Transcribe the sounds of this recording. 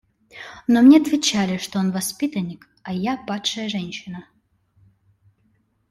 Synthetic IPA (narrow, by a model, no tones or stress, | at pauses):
nomnʲɛɐt̪vʲɪt͡ɕalʲɪʂt̪oonvɐspʲit̪ɐnʲːɪk | ɐjapat̪ʂɐjəʐɛnʲɕɪnə